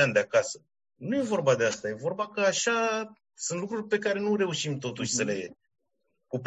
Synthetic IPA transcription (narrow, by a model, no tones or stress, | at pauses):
and̪eakasə | nuje̞vo̞rbad̪e̞ast̪aje̞vo̞rbakəaʃa | sunt̪lukɾurʲpe̞kaɾe̞nuɾe̞uʃimt̪o̞t̪uʃʲsəle̞ | kup